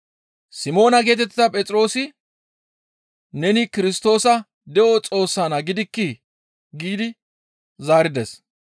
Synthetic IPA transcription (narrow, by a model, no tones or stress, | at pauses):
sɪmo̞ːnɐɡe̞ːt̪ɛt̪ːɪɐpʼɛtt͡sʼɾo̞ːsɪ | nɛnɪkɪɾɪst̪o̞ːsɐ | d̪ɛʔɔt͡sʼo̞ːsːaːnɐɡɪd̪ɪkːɪ | ɡiːd̪ɪ | zaːɾɪd̪ɛs